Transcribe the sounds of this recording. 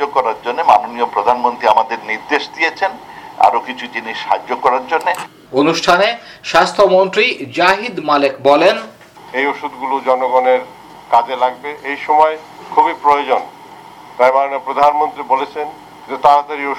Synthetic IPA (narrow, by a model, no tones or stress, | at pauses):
okɔɾaɾd͡ʑonːemanoniopɾod̪ʱanmont̪ɾiamad̪eɾniɾd̪eʃd̪ijet͡ɕʰen | a̰ɾokit͡ɕʰud͡ʑiniʃʃa̰d͡ʑːokɔɾaɾd͡ʑonːe | onuʃʈʰaneʃast̪ʰomont̪ɾid͡ʑaɦid̪malekbɔlen | ejoʃud̪ɡulod͡ʑɔnoɡɔneɾ | kad͡ʑelaɡbeʔejʃɔmɔe | kʰubipɾojod͡ʑon | t̪ajmanonijopɾod̪ʱanmont̪ɾibolet͡ɕʰen | d͡ʑet̪aɾat̪aɾio